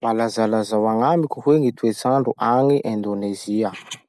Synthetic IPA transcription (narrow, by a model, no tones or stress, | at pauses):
malazalazawaŋamikʲuhweŋit̪uet͡saɳɖ͡ʐuʔaŋiʔẽnd̪oneziə